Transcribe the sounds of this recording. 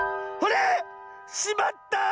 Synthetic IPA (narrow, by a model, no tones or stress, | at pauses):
kole | ɕimat̪ːa